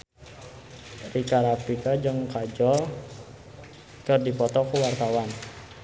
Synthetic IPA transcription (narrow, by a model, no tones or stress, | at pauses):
rikaɾapikad͡ʒɨŋkad͡ʒɔr | kɨrdipɔt̪ɔkuwart̪awan